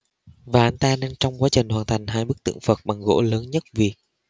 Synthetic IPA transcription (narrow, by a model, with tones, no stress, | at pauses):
vaː˨˩ʔa˧˩jn̟t̪aː˧naː˧nt͡ɕɔ˧wŋ͡mkwaː˨˦t͡ɕï˨˩ŋ̟hwaː˨˩nt̪ʰa˨˩jŋ̟ɦaː˧jɓɨ˦˥k̚t̪ɨ̰˧˨əŋfə˨˩t̚ɓa˨˩ŋɣo̰˧˥ləː˨˦nɲə˦˥t̚vi˨˩ək̚